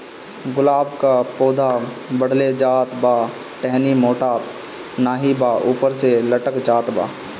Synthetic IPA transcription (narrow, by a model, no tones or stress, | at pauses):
ɡʊlaːbkapoːd̪ʱa | bəɽ̤led͡ʒaːt̪baː | ʈɛɦnimoːʈaːt̪ | naːɦibaːʔuːpəɾseləʈəkd͡ʒaːt̪ba̰ː